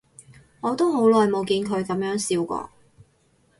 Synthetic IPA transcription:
ŋɔː˨˧t̪o˥who˨˥wlɔː˨jmo˨˧wkiː˧nkʰɵ˨˧ɥkɐ˨˥mjœː˨˥ŋsiː˨˧wkɔ̰ː˧

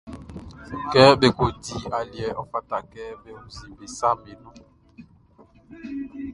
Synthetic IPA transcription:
kɛ˦be˨ko˨di˦a˨ljɛ˦ʔɔ˦fa˦ta˨kɛ˦be˦u˦zi˨be˨sa˦me˨nu˦

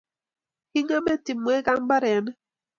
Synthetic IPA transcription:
hi˦ŋa˦mɛ˦ti˨mwɛ˦ka˦m˦ba˦ɾɛ˨˦n˦

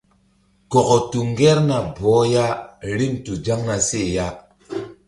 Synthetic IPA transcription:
kɔ˨ko˨tu˨ŋɡɛ˦ɾna˨bɔ˨˦ja˦ɾi˦mtu˨d͡ʒa˦ŋna˨se˦˨ja˦

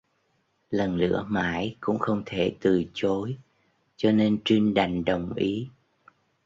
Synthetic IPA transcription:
lə˨˩nlɨ̰˧˥əma̰ː˧˥jkʊ̰˧˥ŋ͡mxə˧wŋ͡mt̪ʰe˧˩t̪ɨ˨˩t͡ɕo˨˦j | t͡ɕɔ˧ne˧nt͡ɕwi˧ŋɗa˨˩jŋ̟ɗə˨˩wŋ͡mʔi˨˦

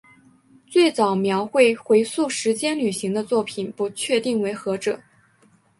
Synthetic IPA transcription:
t͡swe˥˩ɪt͡sɑ˨˩ʊmjɑ˧˥ʊxwe˥˩ɪxwe˧˥ɪsu˥˩ʂɻ̩˧˥t͡ɕjɛ˥nly˨˩ɕi˧˥ŋd̪ə˧t͡swɔ˥˩pʰi˨˩npu˧˥t͡ɕʰɥɛ˥˧t̪i˥˩ŋwe˧˥ɪxɤ˧˥ʈ͡ʂɤ˨˩˦

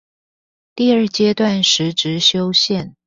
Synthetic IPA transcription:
t̪i˥˧ə˞˥˩t͡ɕjɛ˥t̪wa˥˩nʂɻ̩˧˥ʈ͡ʂɻ̩˧˥ɕjo˥ʊɕjɛ˥˨n

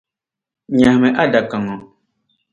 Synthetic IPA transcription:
ɲã˨mɛ˨ʔa˦da˨ka˨ŋɔ˨

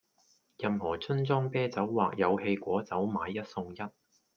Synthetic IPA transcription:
jɐ˨mhɔː˨˩t͡sʰɵ˥nt͡sɔː˥ŋpɛː˥t͡sɐ˨˥wːaː˨˩k̚jɐ˨˧whe˧jkʷɔː˨˥t͡sɐ˨˥wmaː˨˧jːɐ˥t̚sʊ˧ŋjɐ˥t̚

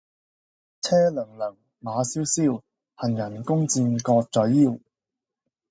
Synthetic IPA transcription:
t͡sʰɛː˥lɵ˨˩ŋlœ˨˩ŋ | maː˨˧siː˨˥wsiː˥˩w | hɐ˨˩njɐ˨˩nkʊ˥ŋt͡siː˧nkɔː˧k̚t͡sɵ˨˥ɥjiː˥˩w

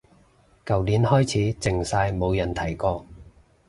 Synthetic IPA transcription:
kɐ˨wliː˨˥nhɔː˥jt͡sʰiː˨˥t͡sɪ˨ŋsaː˧jmo˨˧wjɐ˨˩nt̪ʰɐ˨˩jkɔː˧

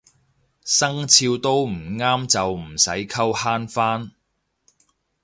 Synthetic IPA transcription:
sɐ˥ŋt͡sʰiː˧wt̪o˥wm̩˨˩ŋaː˥mt͡sɐ˨wm̩˨˩sɐ˨˥jkʰɐ˥whaː˥nfaː˥n

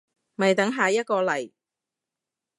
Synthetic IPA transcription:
mɐ˨˩jt̪ɐ˨˥ŋɦaː˨jɐ˥t̚kɔː˧lɐ˨˩j

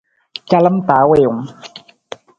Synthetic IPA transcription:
ka˦la˦mt̪aː˨˦we˨o˨ŋ

